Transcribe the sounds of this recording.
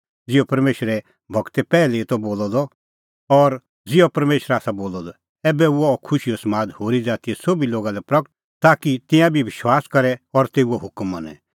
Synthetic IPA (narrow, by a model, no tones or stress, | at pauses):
d͡zɪɔpɐɾmeːʃɾɛ | bʱɐɡt̪ɛpɛːlɛit̪ɔboːlɔd̪ɔ | ɔɾ | d͡zɪɔpɐɾmeːʃɾaːsaboːlɔd̪ɔ | ɛːbɛuɔkʰʊʃijɔsɐmaːd̪hoːɾid͡zaːt̪iɛsobiloːɡalɛpɾɐkəʈ | t̪aːkit̪ɪ̃jãbʱiʋɪʃwaːskɐɾɛɔɾt̪eːuɔɦʊkmːɐnɛ̰̃